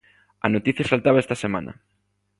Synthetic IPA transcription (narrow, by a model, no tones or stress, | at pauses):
ɐ̰not̪iθjɐsalt̪aβaɛst̪ɐsemã̰nɐ̰